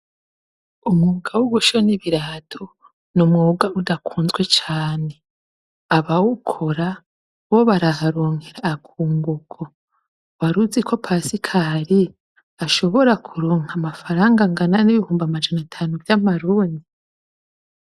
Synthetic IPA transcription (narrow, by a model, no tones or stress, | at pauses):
umŋuːɡawuɡuʃoniβiɾaːtʰo | numŋuːɡaʔudakʰuːnzwe̞t͡ʃaːne | aβawukʰoɾa | woβaɾaɦaɾoːŋ̥eɾaːkʰuːŋɡuɡ̥o | waɾuzikʰo̞pʰasikʰaɾi | aʃo̞βo̞ɾakʰuɾoːŋamafaɾaːŋɡaŋɡananiβihuːmbamad͡ʒanatʰanuvjamaɾuːndi